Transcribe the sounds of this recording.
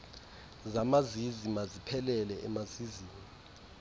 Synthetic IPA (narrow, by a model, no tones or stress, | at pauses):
zamazizimazipʰɛlɛlɛʔɛmaziziːmi